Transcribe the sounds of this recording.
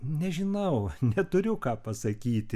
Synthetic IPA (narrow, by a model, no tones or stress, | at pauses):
nʲɛʒʲɪnɐʊnʲɛt̪ʊɾʲʊkɑːpɐsɐkʲiːt̪ʲɪ